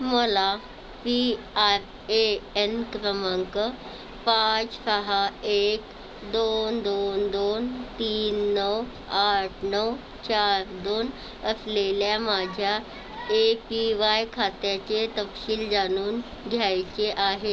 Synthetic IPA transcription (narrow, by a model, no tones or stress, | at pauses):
məla | pi | aɾ | eenkɾəməŋkə | pãt͡ssəɦaek | d̪ond̪ond̪ont̪iːnːəw | aʈʰnəw | t͡ɕaɾd̪on | əsleljamad͡ʑʱja | epiʋajkʰat̪jat͡ɕet̪əpɕiːld͡zañuːn | ɡʱjajt͡ɕeʔaɦe